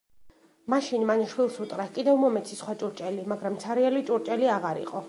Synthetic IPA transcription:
maʃinmanaʃwilˠsut̪ʼqʼɾakʼid̪ɛvmɔmɛt̪sʰisχwat͡ʃʼuɾt͡ʃʼɛlimaɡɾamt̪sʰaɾialit͡ʃʼuɾt͡ʃʼɛliaʁaɾḭqʼɔ

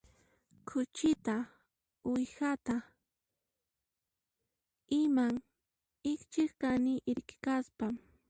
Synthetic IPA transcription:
kʰʊt͡ʃɪt̪a | ʊjxat̪a | ɪmaŋ | ɪkt͡ʃɪχkanɪʔɪɾkɪ̥kaspam

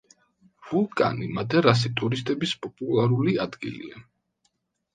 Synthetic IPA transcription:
vulˠkʼa̰nimad̪ɛɾas̬it̪ʼuɾist̪ʼɛbispʼɔpʼulˠaɾuliad̪ɡḭlḭa

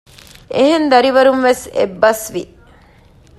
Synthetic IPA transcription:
eɦend̪ɐɾiʋɐɾumʋesḛbːɐsʋi

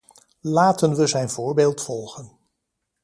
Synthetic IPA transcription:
laːtənʋəzɛjnvʊːɹbeːlˠtfɔlˠχən

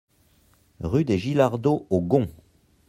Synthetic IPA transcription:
ʁyd̪eʒilaʁd̪oʔoɡɔ̃

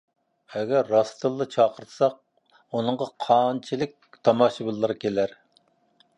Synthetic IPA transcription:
ɛɡʲæɾːɑst̪ʰɨlˠːɨt͡ʃʰɑːqəɾt̪ʰsɑq̚ | unɨŋʁɑqʰɑnt͡ʃʰilɪk̚ʲt̪ʰɑmɑːʃɨbɨlˠːɨɾɨkʲelæɾ

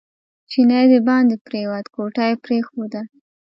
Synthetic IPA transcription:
t͡ʃinajd̪əbɑnd̪epɾewat̪koʈɑjepɾexod̪a

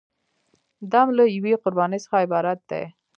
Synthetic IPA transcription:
d̪amlajaweqʊɾbɑnəjsə̥xaɪbɑɾat̪̚d̪ḛ

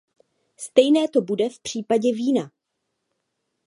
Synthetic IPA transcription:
st̪ɛjnɛːt̪o̞budɛfpr̝̥iːpaɟɛviːna

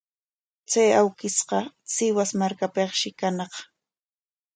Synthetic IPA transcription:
t͡sajawkɪsqɑ | sɪwasmaɾkapeχʃɪkanɑχ

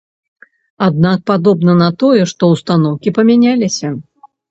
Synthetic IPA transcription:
ad̪̚nak̚pad̪ɔbnɐnɐt̪ɔjɛʂt̪ɔwst̪anɔwkʲipɐmʲanʲalʲisʲɐ

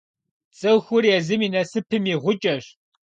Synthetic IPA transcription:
t͡sʼɨwxʷʊrjɛzɨmiːnɐsɨpʰɨmiːʁʷʊt͡ʃʼɐɕ

